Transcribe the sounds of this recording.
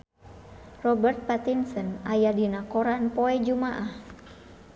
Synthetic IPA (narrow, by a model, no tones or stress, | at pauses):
rɔbərt̪̚pat̪insɔnajadinakɔɾanpɔɛd͡ʒumaʔah